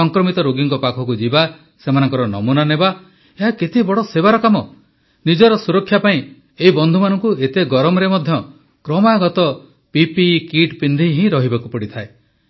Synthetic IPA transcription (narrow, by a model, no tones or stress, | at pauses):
ɔŋkɾɔmit̪ɔɾoɡiŋkɔpakʰɔkud͡ʒiba | semanɔŋkɔɾɔnɔ̰munaneba | eɦakit̪ibɔɽɔsebaɾɔkamɔ | nid͡ʒɔɾɔsuɾɔkʰːjapaĩ | eɦibɔnd̪ʱumanɔŋkuet̪eɡɔɾɔmɔɾemɔd̪ʱjɔ | kɾɔmaɡɔt̪ɔ | pipikiʈpind̪ʱiɦĩɾɔɦibakupɔɽit̪ʰae